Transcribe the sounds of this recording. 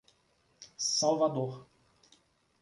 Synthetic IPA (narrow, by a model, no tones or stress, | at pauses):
sawvad̪oɾ